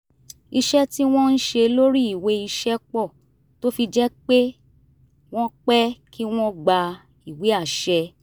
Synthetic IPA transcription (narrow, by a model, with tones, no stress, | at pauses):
i˧ʃɛ˦ti˦w̃ɔ̃˦n̩˦ʃe˧lo˦ɾi˦i˦˨we˨˦i˧ʃɛ˦k͡pɔ˦˨ | to˦fi˧d͡ʒɛ˦k͡pe˦ | w̃ɔ̃˦k͡pɛ˦kʰi˦w̃ɔ̃˦ɡ͡ba˧ | i˨we˨˦a˦˨ʃɛ˧